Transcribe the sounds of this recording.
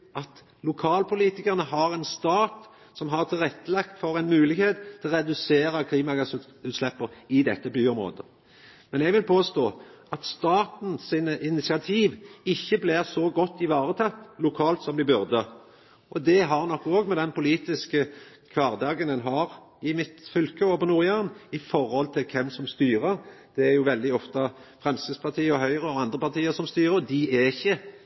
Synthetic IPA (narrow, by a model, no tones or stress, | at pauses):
ʔɑt̪ | lʊkʰɑːlpʰʊliːt̪ɪkəʁnəɦɑʁɛnst̪ɑːt̪ | sɔmɦɑʁt̪ʰɪlʁɛt̪ːəlɑkt̪fɔɾɛnmʉːlɪɡheːt̪ʰːɪlʁɛd̪ʉseːɾəkʰliːmɑɡɑs | ʉːt̪slɛpːəʁɪd̪ɛt̪ːəbyːʊmɾo̰ːd̪ə | mɛnɛɡʋɪlpʰoːst̪oːʔɑt̪st̪ɑːt̪n̩sɪːnəʔɪnɪt̪sɪɑt̪ʰiːʋɪçːəblɪʁsɔɡɔt̪ːɪʋɑːʁət̪ʰɑt̪ːlʊkʰɑːlt̪sɔmd̪ɪbʉʁd̪ə | ʔɔd̪ɛɦɑʁnɔkːoːɡmɛd̪ɛnpʊliːt̪ɪskə | kʰʋɑːʁd̪ɑːɡənɛnɦɑːɾ | ɪmɪt̪fʏlkʰəɔpʰɔnuːʁjæʁnɪfɔʁhɔlt̪ʰɪlkʰɛmsɔmst̪yːɾəʁd̪̥ɛæɾjʊʋɛld̪ɪɔft̪əfʁɛmsəspʰɑt̪ʰiːɔɦœʏʁəɔɑnd̪ʁəpɑʁt̪iːəsɔmst̪yːʁəd̪ɪɛɪçːə